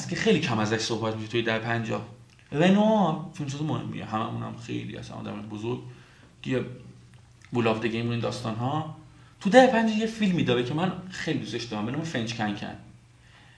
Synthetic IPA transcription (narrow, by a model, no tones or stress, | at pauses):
st̪cʰexejlicʰæmæzæʃsohbæt̪miʃet̪ʰujed̪æhepʰænd͡ʒɒ̰ː | ɾenot͡ʃʰont͡ʃʰiːzemohḛmːḭḛɦæmæ̰muːnæ̰mxḛjlḭæ̰sæ̰nʔɒ̰ːd̪æ̰mɒjbozoɾɡ | ce | bulɒːvd̪eɡemuiːnd̪ɒːst̪ɒːnɦɒː | t̪ʰud̪æhepʰænd͡ʒɛjefilmid̪ɒːbecʰemænxejlid̪ust̪eʃd̪ɒɾæmbenɔːmefend͡ʒcʲʰæŋcʰæ̰n